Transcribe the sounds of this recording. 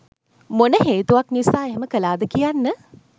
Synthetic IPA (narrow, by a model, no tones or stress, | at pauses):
monəɦeːt̪uʋakniʋisaːeɦeməkəlaːd̪əkijanːə